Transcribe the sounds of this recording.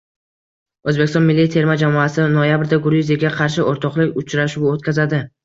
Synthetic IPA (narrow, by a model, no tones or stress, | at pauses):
ɵzbeɪst̪ɒnmɪlːijt̪ʰe̞ɾmad͡ʒamɒasɪnojabɾd̪aɡʊɾuzjaɡʲaqʰɑɾʃ̬ɪʔoɾt̪ʰɒqlˠɪkʲʊt͡ʃɾaʃuwot̪̚kʲʰazad̪ɪ